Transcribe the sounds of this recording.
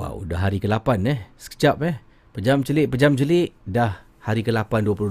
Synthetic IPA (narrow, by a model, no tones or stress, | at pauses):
a̰wdaɦaɾikəlapanɛhsə̥kə̥t͡ʃap̚ɛh | pəd͡ʒamt͡ʃəlɪʔpəd͡ʒamt͡ʃəlɪʔdah | haɾikəlapanduapulu